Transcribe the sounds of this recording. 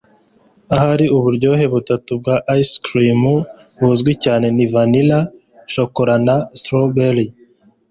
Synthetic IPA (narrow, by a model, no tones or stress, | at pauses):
aɦaɾiʔuβuɾɟo̞ːɦe̞βutatub̚ɡaʔaiskɾimu | βuzɡwicaːne̞nivanila | ʃokoɾanastɾobeɾi